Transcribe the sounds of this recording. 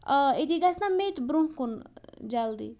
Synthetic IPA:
ɐet̪ʰiɡasnamet̪bɾuŋkund͡ʒald̪ḭ

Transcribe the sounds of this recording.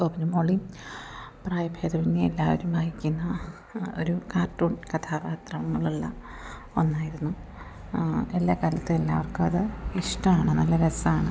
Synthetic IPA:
koːbɐnumoːɭi | praːjɐbʱeːd̪ɐʋinːeelːaːʋɐ̰ɾumbʱaːhikʲːunːɐ | o̞̰ɾukaːrʈːoːnkɐt̪ʰaːpaːt̪rɐmɐŋːɐɭuɭːɐ̰ | o̞nːaːjiɾunːu | e̞lːaːkalɐt̪ːɨelːa̰ːʋɐrkɨɐðɨiʂʈɐmaːɳɨnɐlːɐɾesɐaːɳɨ

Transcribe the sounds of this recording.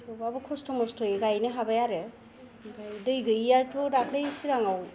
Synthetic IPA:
ɔbabɯkʰɔstɔmɔstʰɔjɡajnɯɦabajaɾe | bajdɯjɡɯjjaɹtʰudakʰlejsiɾaŋaw

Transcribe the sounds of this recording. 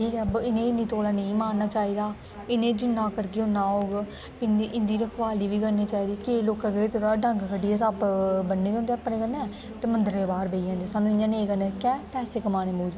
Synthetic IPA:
ʈʰiːkɛːbɪnẽːɪniːt̪oːlaːnəĩːmaːnnaːt͡ʃaːiːd̪aː | ɪnẽːd͡ʒɪnːãːkəɾɡejoːnãːɦoːɡ | ɪnʔɪ̃nd̪iːɾəkʰʋaːliːʋiːkəɾniːt͡ʃaːiːd̪iːkɪeːloːkãːɡəeːt̪ʰoɾaɖə̃ŋɡkʰəɖiːɛːsapbənːeːkʊ̃ːnd̪eːəpːnẽːkənːɛ̃ː | t̪eːmənd̪əɾẽːbaːɾbeiãːnd̪iːsaːnũːɪɲd͡ʒaːneːkənɛːkɛːpɛːseːkəmaːneːmoːd͡ʒ

